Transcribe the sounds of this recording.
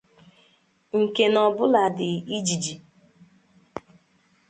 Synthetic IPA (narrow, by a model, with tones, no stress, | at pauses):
ŋ̩˨ke˨nɔ˨bʊ˦la˨dɪ˨i˦d͡ʒi˨d͡ʒi˨